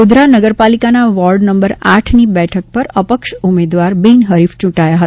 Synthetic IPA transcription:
ud̪ɾanəɡəɾpalikanaʋɔlɖnəmbəɾaʈʰnibɛʈʰək̚pəɾəpəkʃumed̪ʋaɾbinɦəɾift͡ʃũʈajaɦəa

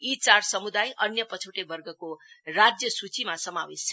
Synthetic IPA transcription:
it͡sarsʌmud̪ajʔʌnjʌpʌt͡sʰoʈebʌrɡʱʌkorad͡zjʌsut͡simasʌmawest͡sʰ

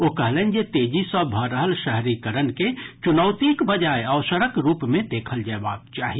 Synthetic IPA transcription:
okəɦlend͡ʒet̪ed͡ʒisəbʱəɾəɦəlʃəɦɾikəɾənket͡ʃunəʊt̪ikbəd͡ʒaeəʊsəɾəkɾuːpmẽd̪eːkʰəld͡ʒaebakt͡ʃaːɦi

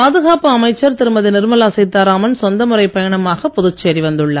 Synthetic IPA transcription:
paːðɯɣaːpɯɐmɐɪt͡ʃːɐɾt̪ɪɾɯmbɐðɯnɪɾɯmɐlaːsɐɪt̪ːaːɾaːmɐnsɔnd̪ɐmɯrɐɪpːɐjɐɳɐmaːɣɐpːɔðɯt͡ʃːeːɾiʋɐnd̪ɯɭːɐ

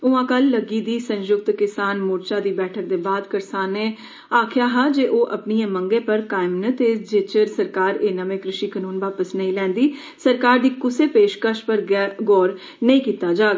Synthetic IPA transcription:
ʊʋãːkəlːəɡiːd̪iːsə̃njʊɡ̚t̪kɪsaːnmʊːɾt͡ʃaːd̪iːbɛːʈʰəɾd̪eːbaːd̪kəɾsaːnːẽː | aːkʰjaːɦaːd͡ʒeːʔoːʔəpniẽːməŋɡẽːpəɾkaːɪmnət̪eːd͡ʒeːt͡ʃəɾsəɾkaːɾeːnəmẽːkɾɪʃiːkənuːnʋaːpəsnəĩlɛ̃ːnd̪iː | səɾkaːɾd̪iːkʊseːpeːʃkəʃpəɾɡɡɔːɾ | nəĩːkiːt̪aːd͡ʒaːɡa

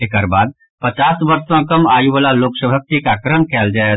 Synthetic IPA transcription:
ekəɾbaːd̪̚ | pət͡ʃaːsʋɐɾsãkɐmaːjiʋəlaloːksəbʱak̚t̪ikakɾəmkɛːld͡ʒaːe

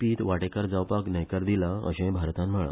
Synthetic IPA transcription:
piːt̪ʋaʈekaɾd͡zawpaknəjkaɾd̪ilaə̰ɕẽbʱaɾt̪ãnm̤əɭ̰

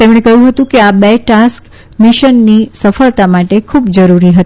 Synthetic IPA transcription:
t̪emɽ̃ekəɦjũɦət̪ũkeabeʈask | miʃənːisəfəɭt̪amaʈekʰubd͡ʒəɾuɾiɦət̪i

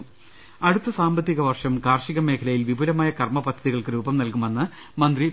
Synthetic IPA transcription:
ɐɽut̪ːɐsaːmbɐt̪ːiɣɐʋɐrʂɐmkaːrʂiɣɐme̞ːkʰɐlɐjilʋibulɐmaːjɐkɐrmɐpɐd̪ʱːɐðiɣɐɭkɨɾuːbɐmnɐlkumenːɨ | mɐnd̪ri

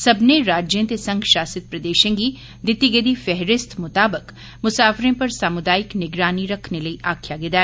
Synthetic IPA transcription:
sɐbneɾaːd͡ʒjẽt̪esɐ̃ŋɡʃaːsɪt̪̚pɾɐd̪eːʃẽɡi | d̪ɪt̪ːiɡəd̪ifɛɦɾɪst̪mʊt̪aːbək | mʊsaːfɾẽpɐɾsaːmʊd̪aːɪknɪɡɾaːniɾɐkʰnelɐiʔaːkʰjaɡɪd̪a

